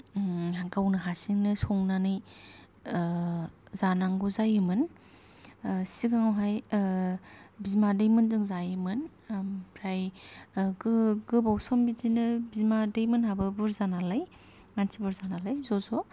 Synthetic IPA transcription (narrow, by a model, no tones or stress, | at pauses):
ɦaɡawnɯɦasiŋnɯsɔŋnanɯj | zanaŋɡuzajɯmɯn | siɡaŋawɦaj | bizmadejmɯndɯŋzajɯmɯn | pʰɾaj | ɡɯɡɯbawsɔmbizinɯbizmadejmɯnhabɯbɯɾzanalaj | ŋansibɯɾzanalajzɔzɔ